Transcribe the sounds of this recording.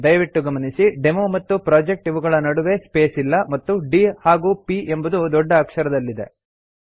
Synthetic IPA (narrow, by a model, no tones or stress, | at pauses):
d̪ɐjʋiʈːuɡɐmɐnisiɖe̞moːmɐt̪ːupɾaːd͡ʒe̞k̚ʈiʋuɡɐɭɐnɐɽuʋe̞spe̞ːsilːɐmɐt̪ːuɖihaːɡuːpiʔe̞mbud̪ud̪ɔɖːɐːkʂɐɾɐd̪ɐlːid̪e̞̰